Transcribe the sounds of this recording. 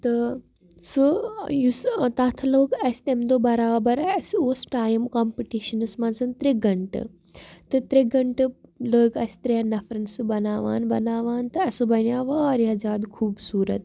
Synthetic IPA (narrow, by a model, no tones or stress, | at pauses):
t̪ɐ | sujust̪aːt̪ʰɐloːɡɐst̪emd̪oːbɐɾaːbɐɾɐsoːsʈaːjmkampiʈiːʃɐnɨsmɐ̃nzɐnt̪ɾeɡɐɳʈɨ̰ | t̪ɐt̪ɾeɡɐɳʈɨləːɡɐst̪ɾeanɐfɾɐnsɨbɐnaːʋa̰ːnbɐnaːʋaːnt̪ɐɐsubɐnjaːʋaːɾɐzaːd̪kʰuːbsuːɾɐ̰t̪